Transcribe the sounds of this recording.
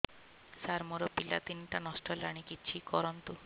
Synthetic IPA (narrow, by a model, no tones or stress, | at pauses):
saɾmuɾɔpilat̪inʈanɔsʈɔlaɽ̃ikit͡ʃʰikɔɾɔnt̪u